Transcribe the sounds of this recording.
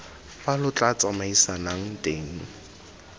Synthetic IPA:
balʊt͡ɬʼat͡sʼamaisanaŋ̩tʼeːŋ̩

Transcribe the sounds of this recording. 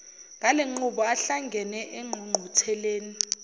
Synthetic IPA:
ŋɡʱaleŋ͡ǃuɓɔaɬaŋɡʱɛnɛʔeŋ͡ǃʱuŋ͡ǃʱutʰɛleːni

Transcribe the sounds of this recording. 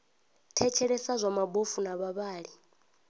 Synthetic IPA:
tʰɛt͡ʃʰɛɺɛsazʷamabofunaβaβaːɺi

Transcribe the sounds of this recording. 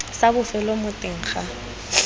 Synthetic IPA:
sabʊfɛlomʊtʼɪŋ̩χa

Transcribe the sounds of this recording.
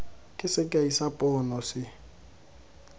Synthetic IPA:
kʼɪsɪkʼaisapʼɔːnɔsɪ

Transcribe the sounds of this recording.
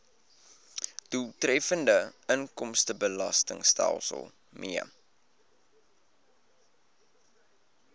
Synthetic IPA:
d̥ulˠtrɛfəndəəŋkɔmstəbəlɐ̰stə̰ŋstæ̰lˠsə̰lˠ | miə

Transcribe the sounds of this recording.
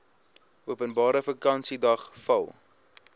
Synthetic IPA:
uəpənbɑːɾəfəkɐnsidɐχfɐlˠ

